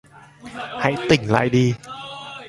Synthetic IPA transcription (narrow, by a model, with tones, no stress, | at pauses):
ha̰˧˥jt̪ï˨˩ŋ̟la̰ː˧˨jɗi˧